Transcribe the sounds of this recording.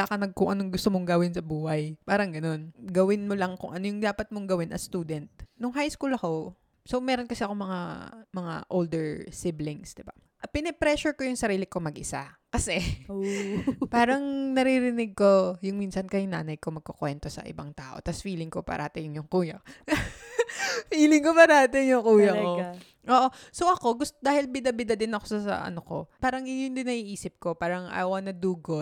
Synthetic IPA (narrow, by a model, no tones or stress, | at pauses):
akɐnɐɡ̚kʊŋʔɐnoŋɡʊst̪omoŋɡɐwɪnsɐbuːhɐjpaːɾɐŋɡɐno̞nɡɐwɪnmolɐŋkʊ̰ŋʔɐnojʊŋd̪aːpɐt̪̚moŋɡɐwɪnʔɐ̰st̪uːd̪ɛnt̪̚nʊŋɦajskuːlɐko̞ | sowmɛːɾonkɐsɛɐko̞ŋmɐŋa̰mɐŋa̰ʔold̪ɛɹsɪblɪŋsd̪ɪba | ʔpɪnɛpɾɛsʊɹkojʊŋsɐɾiːlɪko̞mɐɡʔɪsakɐsɛ | paːɾɐŋnɐɾiɾɪnɪɡ̚ko̞jʊŋminsɐnkɐjŋna̰ːnɐjkomɐɡ̚kokwɛnt̪o̞sɐ̰ʔɪ̰bɐŋt̪aːʔo̞̰t̪ɐsfiːlɪŋkopɐ̰ɾɐhat̪ɪjŋjʊŋkuːjɐ | fiːlɪŋkopɐɾɐhat̪ɪŋjʊŋkuːjɐko | ʔoːʔo̞sowʔɐko̞ɡʊst̪d̪aːhɪlbɪd̪ɐbɪd̪ɐd̪ɪnɐkosɐsɐ̰ʔɐ̰noko̞paːɾɐŋjʊnd̪ɪnɐʔiːʔiːsɪp̚ko̞paːɾɐŋɐ̰jwanɐd̪uɡʊ